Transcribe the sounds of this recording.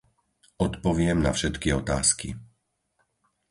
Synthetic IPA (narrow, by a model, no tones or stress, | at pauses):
ɔt̪pɔʋɪɛmnafʃɛt̪kiɔt̪a̰ːskḭ